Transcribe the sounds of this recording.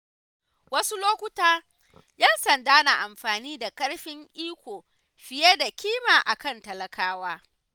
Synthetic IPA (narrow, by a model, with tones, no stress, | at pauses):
wɐ˦su˦loː˦kʷʊ˦taː˦ | jɐ˦nsɐ˨ndaː˦na˨ʔa˨mɸaː˨niː˦da˨kɐ˦ɽɸɪ˦ŋʔiː˦kʷoː˨ | ɸɪ˨je˦da˨kʲiː˦maː˨ʔa˨kɐ˦˨ntɐ˨lɐ˨kʰaː˦waː˦